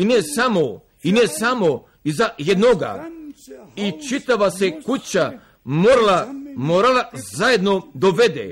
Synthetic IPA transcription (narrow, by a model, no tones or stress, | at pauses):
inesamo | inesamo | izajed̪noɡa̰ | it͡ʃit̪aʋasekut͡ɕa | moɾlamoɾalazajed̪no̞d̪oʋed̪ḛ